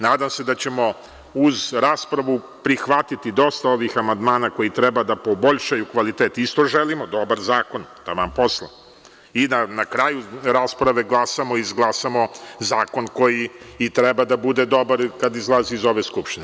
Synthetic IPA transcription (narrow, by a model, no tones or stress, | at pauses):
naːd̪amse̞d̪at͡ɕe̞mo̞ | uzɾaːspɾaʋu | pɾixʋat̪it̪id̪o̞st̪ao̞ʋixamand̪maːnako̞jit̪ɾɛbad̪apo̞bo̞ʎʃajukʋalit̪eːt̪ist̪o̞ʒelimod̪o̞baɾzaːko̞nd̪amampo̞slˠa̰ | inanakɾaːjuɾaːspɾaʋe̞ɡlˠasamo̞izɡlˠasamo̞zaːko̞nko̞jiːt̪ɾɛbad̪abud̪ed̪o̞baɾkad̪izlˠaziizo̞ʋeskupʃt̪ine